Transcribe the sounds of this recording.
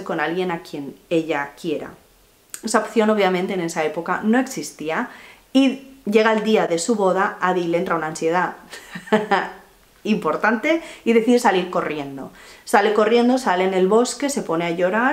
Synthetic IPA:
eko̞nalɣje̞nakje̞ne̞ʎakje̞ɾa̰ | e̞saopθjo̞no̞βjamẽnt̪eːne̞sae̞po̞kano̞e̞ksist̪ia | iʝe̞ɣaeld̪iaðe̞suβo̞ð̞aaðilee̞nt̪ɾaunaːnsje̞ð̞a | impo̞ɾt̪ant̪e̞iðe̞θiðesaliɾko̞rje̞nd̪o̞̰sale̞ko̞rje̞nd̪o̞sale̞ne̞lβo̞ske̞se̞po̞ne̞aʝo̞ɾa

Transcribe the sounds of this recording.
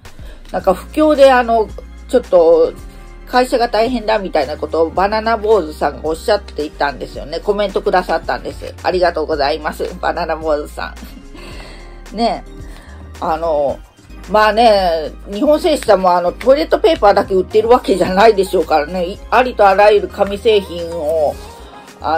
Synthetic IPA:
nãŋkaɸɯ̟̥kʲo̞ːd̪e̞ano̞ | t͡ɕo̞t̪ːo̞ | kaiɕaɡat̪aiɦẽ̞nd̪amʲit̪ainako̞t̪o̞ːbananabo̞ːzɨsãŋɡa̰o̞ɕːat̪ːe̞it̪ãnd̪e̞sɨjo̞̰ne̞ko̞mẽ̞nt̪o̞kɯ̟d̪asat̪ːã̰nd̪e̞sɨ̰a̰ɾʲiɡat̪o̞ːɡo̞zaimasɨ̰b̥a̰nanabo̞ːzɨsã̰ɴ | ne̞ | ano̞ | maːne̞ | ɲ̟ihõɰ̃se̞ːɕi̥samoano̞t̪o̞iɾe̞t̪ːo̞pe̞ːpaːd̪akeɯ̟t̪ːeɾɯ̟βake̞ʑanaid̪e̞ɕo̞ːkaɾane̞iaɾʲit̪o̞aɾajɯɾɯ̟kamʲise̞ːçĩɰ̃o̞ | a̰

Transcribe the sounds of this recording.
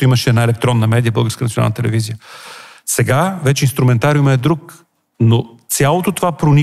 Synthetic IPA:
iməʃɛɛd̪naɛlɛk̚t̪ɾɔnːɐmɛd̪ijəbɤəlˠɡəɾskənt̪sʲioa̰nt̪ɛlɛ̰vizijəsɛɡavɛt͡ʃɛinst̪ɾuʊmɛnt̪aɾiimɐɛd̪ɾuk | not̪sʲjalˠot̪ot̪ovapɾoni

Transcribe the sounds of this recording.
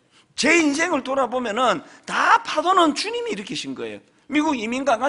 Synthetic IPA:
t͡ɕe̞ins̬ʰe̞ŋɯɭtoɾabomjʌnɯntapʰadonɯnt͡ɕuɲimiːɾɯkʰeɕʰinɡʌ̰ḛjo̰ | miɡuɡiminɡaŋka

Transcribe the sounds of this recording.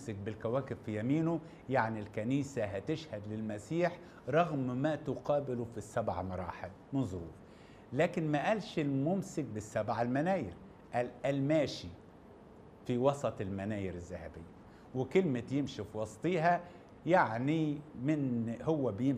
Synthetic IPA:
sɪk̚bɪlkæwæːkɪbfijæmiːnʊ | jaʕnilkæniːsaɦæt̪ɪʃhæd̪lɪlmæsiːħ | ɾˤɑɣmmæt̪ʊqɑːbɪlʊfisːabʕa̰mɑɾˤɑ̰ːħel | mɪnzˤɾuːf | læːkɪnmæʔælʃɪlmʊmsɪk̚bɪsːabʕalmænæːjɪɾ | ʔælʔælmæːʃi | fiwɑsˤɑt̪ˤɪlmænæːjɪɾɪzːahæbɪjːa | wɪkɪlmɪt̪jɪmʃifiwɑsˤt̪ˤiːɦæ | jaʕnimɪnhʊwːæbɪjɪm

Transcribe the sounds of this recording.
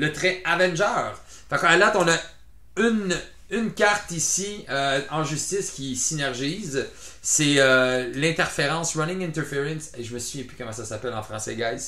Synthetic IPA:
lət̪ʁɛavɛ̃nʒœːʁ | fakalat̪ɔ̃na | yn | ynkʲaʁt̪isiøɑ̃ʒyst̪ɪskʲisinɛʁʒiːzsɛølɛ̃t̪ɛʁfeʁɑ̃sʁɔnɪ̃ŋɛ̃nt̪ɛʁfeʁɛ̃nseʒəməsyvjɛ̃py̥kɔmɑ̃sasapɛlɑ̃fχɑ̃sɛ̰ɡajs

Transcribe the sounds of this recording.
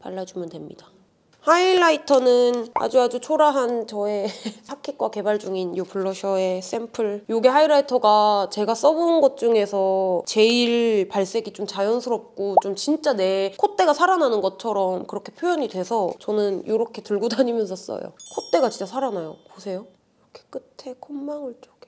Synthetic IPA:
pa̰ɭːad͡ʑumjʌntwe̞mɲḭd̥a | haiɭːaitʰʌnɯna̰d͡ʑuad͡ʑut͡ɕʰoɾaɦant͡ɕʌe̞sʰakʰek̚k͈wake̞baɭd͡ʑuŋinjopuɭːʌɕʰʌe̞s͈e̞mpʰɯɭjoɡehaiɾaitʰʌɡat͡ɕe̞ɡas͈ʌbunɡʌt̚t͡ɕ͈uŋe̞sʰʌt͡ɕe̞iɭpaɭs͈eɡit͡ɕomt͡ɕajʌnsʰɯɾʌp̚k͈ot͡ɕomt͡ɕint͡ɕ͈ane̞kʰot͈e̞ɡasʰaɾananɯnɡʌt͡ɕʰʌɾʌmkɯɾʌkʰe̞pʰjojʌɲidwe̞sʰʌt͡ɕʌnɯnjoɾʌkʰe̞tɯɭɡodaɲimjʌnsʰʌs͈ʌ̰jo̰kʰot͈e̞ɡat͡ɕint͡ɕ͈asʰaɾanajo̰posʰe̞jo | ɾʌkʰe̥k͈ɯtʰe̞kʰomːaŋɯɭt͡ɕ͈oɡ̥e

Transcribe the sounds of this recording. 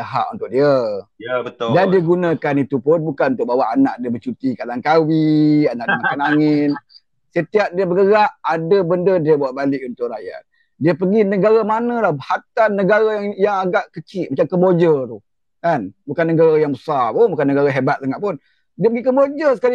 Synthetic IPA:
t̪aɦa̰ʔṵnt̪ʊk̚ʔ̚diəbət̪dandiəɡunãkanit̪upʊnbukanunt̪ʊk̚bawaʔanaʔdiəbət͡ʃut̪ikalaŋkawianaʔdəmakanaŋɪn | sət̪iap̚diəbəɡəɣaʔadəbəndədiəbuaʔbalɪkunt̪ʊʔɾaja̰t̪̚ | diəpəɡinəɡaɾamanãlahbhat̪anːəɡaɾajaŋjaŋaɡaʔkət͡ʃɪʔ̪̚mat͡ʃamkəbod͡ʒət̪ʊ | kanbukanːəɡaɾajaŋbəsapobukanəɡaɾaɦebat̪̚saŋaʔpʊn | diəpəɡikəmbod͡ʒəsə̥kali

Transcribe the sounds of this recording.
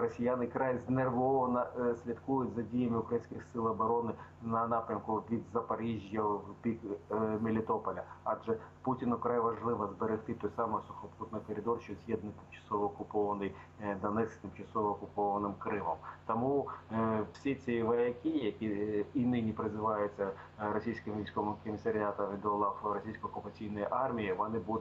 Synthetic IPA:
rɔsʲijanɪkɾɑjzʲnerʋɔʋɐnɐsʲlʲit̪kujʊtʲzɐdʲijɐmɪʊkɾɐjinʲsʲkʲɪxsɪlˠɐbɔɾɔnɪnɐnɑpɾʲɐmkʊʋʲid̪zɐpɐɾʲiʒʲjɐpʲikmʲɪlʲɪt̪ɔpɐlʲɐɑʒɛputʲɪnʊkɾajʋɐʒlˠɪʋɐzbeɾɪxt̪ɪt̪ɔjsɑmɛsʊxɐput̪nɔjkɔɾʲɪd̪ɔrʃt͡ʃɔzʲjɛd̪̚nɪt̪ɪmt͡ʃɐ̥sɔʋɔːkʊpɔʋɐnɪjd̪ɐnɛsʲt̪ɪmt͡ʃɐsɔʋɔːkʊpɔʋɐnɪmkɾɪmɔmt̪ɐmu | sʲit͡sʲiʋɐjɐkʲijɐkʲiinɪnʲipɾɪzɪʋɑjʊt͡sʲːɐ | ɾɔsʲijsʲkɪmʋʲijsʲkɔʋɪmkɔmʲisɐɾʲɪat̪ɐmʋʲid̪ɔlˠɑflˠɾɔsʲijsʲkɔːkʊpɐt͡sʲijnɔjiʔɑrmʲijiʋɔnɪbud̪

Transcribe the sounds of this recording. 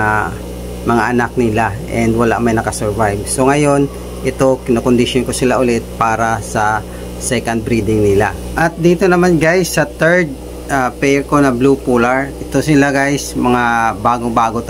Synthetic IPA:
a | mɐŋaʔɐnak̚nɪlaʔɛnd̪wɐlaʔmɐjnɐkɐsɛɹvajbso̞ŋɐjo̞n | ʔɪt̪o̞kɪnokond̪ɪʃjonkosɪlaʔʊlɛt̪̚paːɾɐsɐ | sɛkɐnd̪̚bɾiːd̪ɪŋnɪla̰ | ʔɐt̪̚d̪iːt̪onɐmanɡajsːɐt̪ɛɹd̪̚ | ʔapɛkonɐblupulɐɹʔɪt̪osɪlaɡajsmɐŋabaːɡoŋbaːɡo̞t̪

